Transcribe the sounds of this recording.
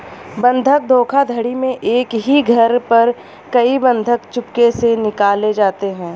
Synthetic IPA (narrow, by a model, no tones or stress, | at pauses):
bɐ̃nd̪ʱək̚d̪ʱoːkʰad̪ʱəɽimẽʔeːkɦiɡʱɐɾpɐɾ | kɐibɐ̃nd̪ʱəkt͡ʃʊpkesenɪkaːled͡ʒaːt̪eɦɛ̃ː